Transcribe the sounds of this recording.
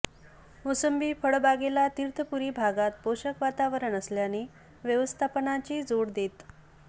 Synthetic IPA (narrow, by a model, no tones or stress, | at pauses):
osəmbiːfəɭbaɡelat̪iɾt̪ʰəpuɾiːbʱaɡat̪̚poɕəkʋat̪aʋəɾəɳəsljani | ʋjəʋəst̪ʰapənat͡ɕiːd͡zoɽd̪et̪